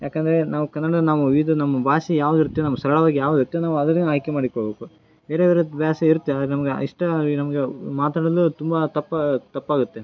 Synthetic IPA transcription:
jaːkɐnd̪ɐɾe̞naːʋukɐnːɐɽɐɐnaːʋuʋid̪unɐmːɐbʱaːsijaːʋud̪iɾut̪ːjonɐmːɐsɐɾɐɭɐʋaːɡijaːʋud̪iɾut̪ːjonaːʋuɐd̪ɐnaːjkemaːɽikoɭbe̞ːku | be̞ːɾebeːɾebjaːsɐiɾt̪ːɐd̪ɐɾenɐmɐɡḛiʂʈɐnɐmɐɡemaːt̪aːɽɐɐlut̪umbɐt̪ɐpːt̪ɐpːaːɡut̪ːe̞

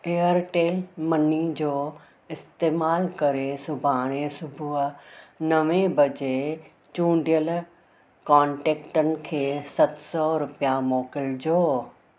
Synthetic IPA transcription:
eːəɾʈeːlmɐnid͡ʑoː | ɪst̪eːmaːlkɐɾesʊbʱaːɽ̃esʊbʱʊ | nɐʋẽbʱɐd͡ʑe | t͡ɕũːɳɖijəl | kãːɳʈeːkʈənɪ̆kʰeːsɐt̪sɔɾʊpijamoːkɪld͡ʑoː

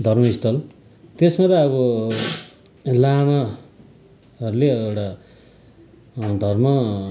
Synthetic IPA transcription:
d̪ʱʌrmʌist̪ʌl | t̪esmat̪ʌːβʌ | lama | ɦʌɾuleewʈa | d̪ʱʌrmʌ

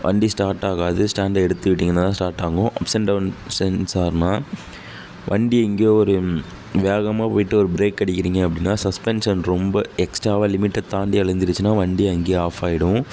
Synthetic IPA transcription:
ʋʔɐ̰ɳɖisʈaːɾʈːaːɣaːðɯsʈaːɳɖɛɽɯt̪ːɯʋɪʈːiːŋɡɐnaːt̪ːãːsʈaːɾʈːaːŋɡʊ̃ʔɐpsɛɳɖɐʋnsɛnsaːɾnaː | ʋʔɐɳɖiɛŋɡeːɔɾɯ | ʋeːɣɐmaːpoːjɪʈːɯɔɾɯbɾeːkːɐɽɪkʲːɪɾiːŋɡɐɐpːɐɽɪnːaːsɐspɛnʂɐnɾɔmbɐɛksʈɾaːʋaːlɪmɪʈːɛɖt̪aːnɖ̪iɐɭɐnd̪ɪɾɯt͡ʃːɯnaːʋɐɳɖiɐŋɡeːaːfaːɪɽʊ̃

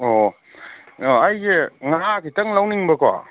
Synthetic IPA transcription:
ɔ | ajɡeŋakitɐŋlawniŋbɐkʰa̰

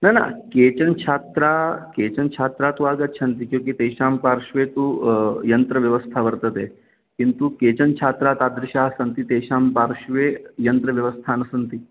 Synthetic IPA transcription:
nana̰ket͡ɕənt͡ʃʰaːt̪ɾaket͡ɕənt͡ʃʰat̪ɾat̪uaɡətːt͡ʃʰɐnt̪ikjũːkit̪eːʃampaɾʂʋet̪uːjɐnt̪ɾəʋjɐʋəst̪ʰaʋəɾt̪ət̪e | kint̪uket͡ɕənt͡ʃʰaːt̪ɾat̪ad̪ɾiɕaɦsɐnt̪it̪eʃaːmpaɾɕʋejɐnt̪ɾəʋjɐʋəst̪ʰanəsənt̪iː

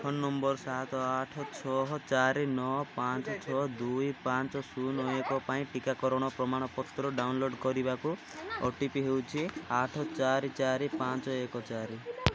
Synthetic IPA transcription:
pʰɔnːɔmbɔɾsat̪ɔaʈʰɔt͡ʃʰɔɦɔt͡ʃaɾinɔpant͡ʃɔt͡ʃʰɔd̪ujpant͡ʃɔsunɔekɔpaĩʈikakɔɾɔɽ̃ɔpɾɔmaɽ̃ɔpɔt̪ːɾɔɖawnloɖkɔɾibaku | ɔ̰ʈipiɦewt͡ʃʰiaʈʰɔt͡ʃaɾit͡ʃaɾipãnt͡ʃɔekɔt͡ʃaɾi

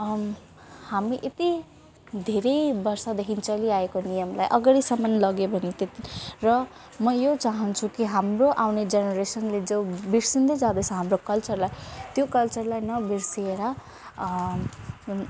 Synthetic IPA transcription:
hamiʔet̪i | d̪ʱeɾʌjbʌrsad̪ekʰint͡sʌliaekonijʌmlajʔʌɡaɽisamanlʌɡjobʱʌnet̪et̪irʌ | mʌjot͡saɦʌnt͡sʰukiɦamroʔawned͡zenʌɾesʌnled͡zʌbiɾsind̪ʌd͡zad̪esʰʌ̃ɦamrokʌlt͡sʌrlajt̪jokʌlt͡sʌrlajnʌbirsieɾʌ

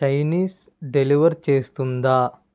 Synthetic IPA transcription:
t͡ʃɐjniːs | ɖeliʋɐɾt͡ʃe̞ːst̪und̪aː

